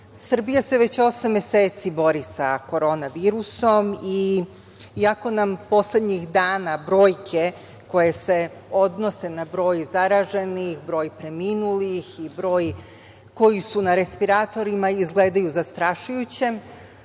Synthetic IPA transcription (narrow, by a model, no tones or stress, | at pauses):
sr̩bijase̞ʋe̞t͡ɕo̞samːeseːt̪sibo̞ɾisako̞ɾo̞ːnaʋiːɾuso̞mi | iako̞nampo̞sle̞d̪ɲixd̪aːnabɾo̞ːjkʰe̞ | ko̞je̞se̞ | o̞d̪no̞se̞nabɾo̞ːjzaɾaʒe̞nixbɾo̞ːjpɾe̞miːnulixibɾo̞ːj | ko̞jisunaɾe̞spiɾat̪o̞ɾimaizɡleːd̪ajuzast̪ɾaʃujut͡ɕe̞m